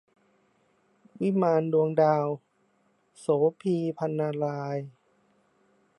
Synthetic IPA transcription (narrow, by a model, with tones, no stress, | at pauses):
wi˦˥˨maː˧ndu˧əŋdaː˧w | soː˩˦pʰiː˧pʰa˧nːaː˧laː˧j